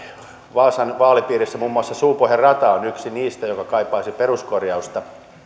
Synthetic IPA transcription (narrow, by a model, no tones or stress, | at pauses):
ʋɑːsɑnʋɑːlipiːrisːæmuːmːuɑsːɑsuːpoherrɑt̪ɑonyksiniːst̪æjokɑkɑipːˑɑːsiperuskorjɑust̪ɑ